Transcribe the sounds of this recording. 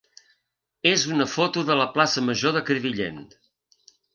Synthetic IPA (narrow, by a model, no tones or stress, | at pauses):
ezunəfot̪uðələplasəməʒoðəkɾiβiʎḛn